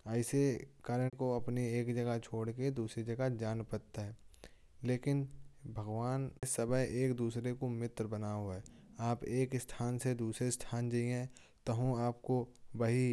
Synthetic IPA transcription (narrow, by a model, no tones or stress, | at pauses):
əɪsekaːɾəɽkoɐpnieːkd͡ʒɐɡat͡ʃʰoːɽked̪uːsɾid͡ʒɐɡad͡ʒaːnpəɾt̪aɦɛː | leːkɪnbʱɐɡʋaːnsɐbəɦeːkd̪uːsɾekomɪt̪ɾbɐnaoɛːaːpeːkɪsʈ̪ʰaːnsed̪uːsɾesʈʰaːnd͡ʒəiɛ̃ | t̪ɐɦũaːp̚kobɐɦi